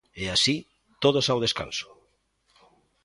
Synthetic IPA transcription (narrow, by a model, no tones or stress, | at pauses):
easi | t̪oð̞osawð̞eska̰nso̥